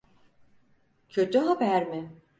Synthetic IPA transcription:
cʰød͡ʒøɦabæɾmɪ

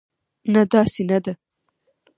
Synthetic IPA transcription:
nad̪ɑsenad̪a

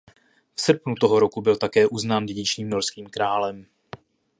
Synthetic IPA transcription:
fsr̩pnut̪oɦo̞ɾo̞kubɪlt̪akɛːʔuznaːndɛɟɪt͡ʃɲiːmno̞ɾskiːmkɾaːlɛm

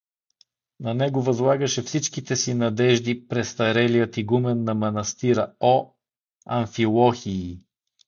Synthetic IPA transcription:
nɐnɛɡʊvɐzlˠaɡəʃɛfsit͡ʃkit̪ɛsinɐd̪ɛʒd̪ipɾɛst̪ɐɾɛlijət̪iɡumɛnːɐmɐnɐst̪iɾəo | ɐɱfilˠɔxiː

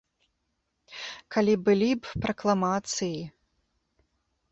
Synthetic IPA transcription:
kalʲibɨlʲibpɾɐklˠamat̪sɨji

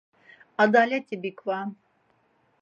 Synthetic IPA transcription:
ad̪alʲɛt̪ʰibikʰvan

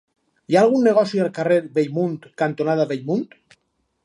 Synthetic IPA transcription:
jaːlˠɣunːeɣ̞ɔsialˠkareɾβejmunt̪kant̪onaðaβeʎmunt̪

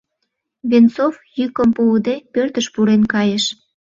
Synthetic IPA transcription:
βent͡sovjykəmpud̪epørt̪əʃpuɾenkɑjeʃ

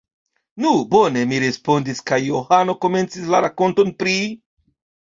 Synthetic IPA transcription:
nubo̞ne̞miɾe̞spo̞ndiskajːo̞hano̞ko̞me̞nt͡sislaɾako̞nto̞npɾi

